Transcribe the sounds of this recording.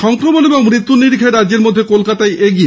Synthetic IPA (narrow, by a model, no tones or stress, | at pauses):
ʃɔŋkɾomoneboŋmɾit̪ːuniɾikʰeɾadd͡ʑeɾmod̪ʱːekolkat̪aeeɡie